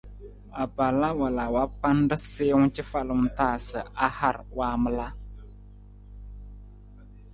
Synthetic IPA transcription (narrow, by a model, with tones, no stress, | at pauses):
a˨ba˨la˦wa˨la˨wa˦pa˦ndɨ˦sɪː˦ŋ˦t͡ʃɪ˦fa˦lɨ˨ŋ˦taː˦˨sɨ˨a˦ha˦˨ɾwaː˦mɨ˦la˦